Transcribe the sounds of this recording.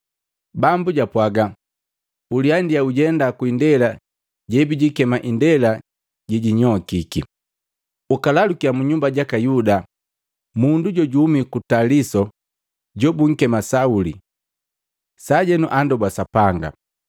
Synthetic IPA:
bambuɟapwaɡa | uliandiauɟɛndakuindɛla | ɟɛbiɟikɛmaʔindɛla | ɟiɟiɲɔkikḭ | ukalalukiamuɲumbaɟakajuda | munduɟɔɟumikutalisɔ | ɟɔbuŋ̩kɛmasauli | saɟɛnuʔandɔbwasapaŋɡa̰

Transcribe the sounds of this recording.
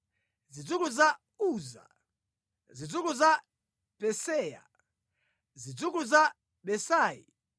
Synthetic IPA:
zid͡zukuza | uza̰ | zid͡zukuza | pɛsɛːja̰ | zid͡zukuza | ɓɛsaːjḭ

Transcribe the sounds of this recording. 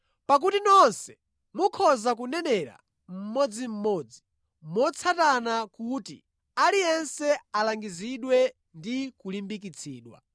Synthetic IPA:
pak̬utinɔnsɛ̥ | mukʰɔzak̬unɛnɛɾa̰ | m̩mɔd͡zim̩mɔːd͡zi | mɔt͡sʰatanakutḭ | alijɛnsɛalaŋɡiziɗwɛ | ndikulimbik̬it͡sʰiːɗwa̰

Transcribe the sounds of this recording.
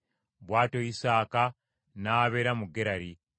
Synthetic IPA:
βwaːto̞isaːka | naːβe̞ːɾamuɡeɾaɾi

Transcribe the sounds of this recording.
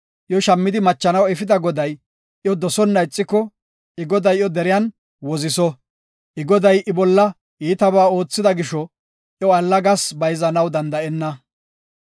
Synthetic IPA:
ʔjɔʃɐmːɪd̪ɪmɐt͡ʃːɐnɐwɛfɪd̪ɐɡɔd̪ɐj | ʔjɔd̪ɔsɔnːɐɪt͡sʼːɪkːɔ | ɪɡɔd̪ɐjjɔd̪ɛɾɪjɐn | wɔzɪsɔ | ʔɪɡɔd̪ɐjʔɪbɔlːɐ | iːt̪ɐbaːo̞ːt͡sːɪd̪ɐɡɪʃɔ | ʔjɔɐlːɐɡɐsbɐjzɐnɐwd̪ɐnd̪ɐɛnːɐ

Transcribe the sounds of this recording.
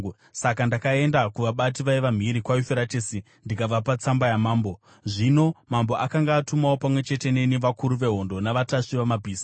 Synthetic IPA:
sakandakae̞ndakuʋaɓat̬iʋaiʋam̤iɾikwajufeɾatesi | ndikab͡vapat͡sambajamaːmbo̞ | ʐino̞mambo̞ʔakaŋɡaːtumawo̞pamwe̞t͡ʃe̞te̞ne̞niʋakuɾuʋe̞ɦo̞ndo̞naʋataʂiʋamabʱiːsi̥

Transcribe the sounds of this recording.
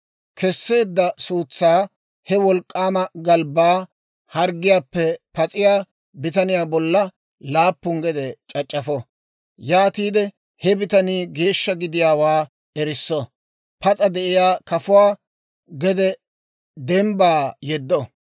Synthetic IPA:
kʰɛsːe̞ːd̪ːɐsuːt͡sːaː | hɛwɔlkʼːaːmɐɡɐlbaː | hɐɾɡɪjaːpːɛpɐt͡sʼɪjaː | bɪt̪ɐnɪjaːbɔlːɐ | laːpːʊŋɡɛd̪ɛt͡ʃʼɐt͡ʃʼːɐfɔ | jaːt̪iːd̪ɛ | hɛbɪt̪ɐniːɡe̞ːʃːɐɡɪd̪ɪjaːwaː | ɛɾɪsːɔ | pɐt͡sʼɐd̪ɛʔɪjaːkɐfʊwaː | ɡɛd̪ɛ | d̪ɛmbaːjɛd̪ːɔ

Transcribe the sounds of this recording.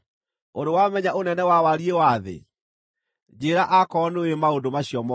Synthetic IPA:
oɾowamɛɲaʔonɛnɛwawaɾiewaðḛ | d͡ʑeɾaʔakɔnoemaondomaɕiɔmɔ

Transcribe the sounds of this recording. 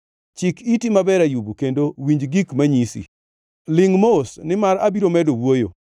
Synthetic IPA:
t͡ʃɪkitimabɛɾajubukendowiɲd͡ʒɡikmaɲisḭ | lɪŋmosnɪmaɾabiɾomɛdowojo̰

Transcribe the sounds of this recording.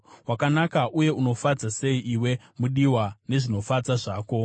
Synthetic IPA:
wakanakaʔuje̞uno̞fad͡zase̞iʔiwe̞ | muɗiwane̞ʐino̞fad͡zaʐaːko̞

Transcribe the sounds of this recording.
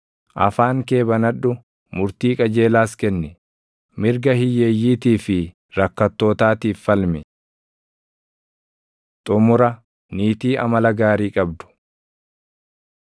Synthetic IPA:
ʔɐ̰faːŋke̞ːbɐnɐᶑːʊ | mʊɾt̪iːkʼɐd͡ʒe̞ːlaːskɛnːɛ | mɪɾɡɐhɪjːeːjːiːt̪iːfɪ | ɾɐkːɐt̪ːo̞ːt̪aːt̪iːfːɐlmɪ | t̪ʼʊmʊɾɐ | niːt̪iːʔɐ̰mɐlɐɡaːɾiːkʼɐbd̪ʊ̥

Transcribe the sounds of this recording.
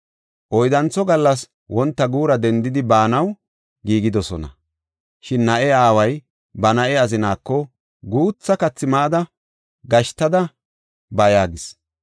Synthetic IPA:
ʔɔjd̪ɐnt͡sːɔɡɐlːɐs | wɔnt̪ːɐɡuːɾɐd̪ɛnd̪ɪd̪ɪbaːnɐw | ɡiːɡɪd̪ɔsɔ̰nɐ̰ | ʃɪnːɐʔɛaːwɐj | bɐnɐʔɛɐzɪnaːkːɔ | ɡuːt͡sːɐkɐt͡sːɪmaːd̪ɐ | ɡɐʃt̪ːɐd̪ɐ | bɐjaːɡɪs

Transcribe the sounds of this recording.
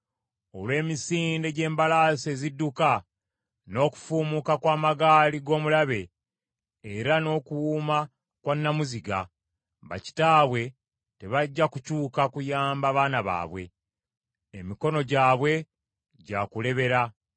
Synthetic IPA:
o̞̰lwe̞ːmisiːnde̞ɟe̞ːmbalasezidːuka | no̞ːku̥fuːmukakwaːmaɡaːliɡo̞ːmulaβe̞ː | ɾano̞ːkuwuːma | kwanːamuziɡa̰ | βa̰ci̥taːβwe̞ | te̞βaɟːakucuːkakujaːmbaβaːnaβa̰ːβwe̞̰ | emiko̞no̞ɟaːβwe̞ | ɟaːkule̞βe̞ɾa

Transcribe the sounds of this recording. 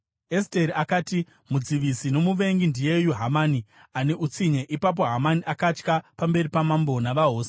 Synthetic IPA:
esteriakaːti | mud͡ziʋisino̞muʋe̞ŋɡindije̞juɦamani | ane̞ʔut͡siɲe̞ʔipap̬o̞ɦamaniʔakat͡ʃkapambe̞ripamambo̞naʋaɦo̞ːse

